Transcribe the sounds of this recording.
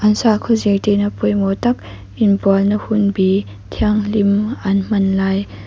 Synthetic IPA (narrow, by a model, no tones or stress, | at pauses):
ʔɐnsakʰɔzejtenɐpɔjmɔtɐk̚ | inbɔlnəhunbi | tʰiaŋlimɐnm̥ɐnlaj